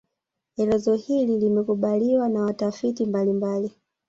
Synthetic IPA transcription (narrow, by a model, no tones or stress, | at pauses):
ɛlɛzɔhililimɛkuɓaliwanawatafitimbalimbali